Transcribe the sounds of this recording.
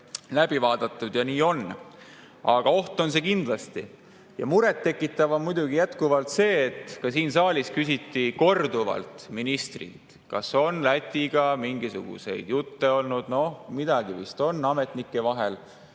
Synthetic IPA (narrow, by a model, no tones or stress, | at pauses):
læb̥ivɑːd̪̥ɑt̪ːˑud̪̥jɑniːo̞n | ʔɑɡ̥ɑo̞ht̪o̞ns̬e̞kind̪̥lɑst̪i | jɑ̰muɾet̪ːe̞kːˑit̪ːˑɑvomujd̪uɡijæt̪kuvɑlt̪se̞ːt̪kɑsiːnsɑːlʲiskysit̪ːiko̞rd̪uvɑ̰lt̪minist̪rḭt̪ | kɑso̞nlæt̪ʲːˑiɡ̥ɑmiŋɡisṵɡ̥ṵse̞̰jd̪̥jut̪ːe̞o̞lnud̪̥no̞hmid̪̥ɑɡivist̪o̞nːɑme̞t̪ˑnikːˑe̞vɑɦe̞l